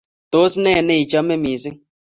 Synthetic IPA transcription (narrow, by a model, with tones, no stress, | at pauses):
to˦si˦ne˦˨ne˦i˨t͡ʃɔ˦me˦mi˨si˦